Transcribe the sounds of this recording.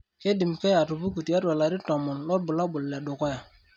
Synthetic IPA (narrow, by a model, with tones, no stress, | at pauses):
ke˦di˨mke˦ja˨tu˨bu˦ku˨ti˨ja˦twa˨la˨ɾi˦to˨mu˨nlo˦t̚bu˨la˦bu˨lːe˨ɗo˨ko˦ja˨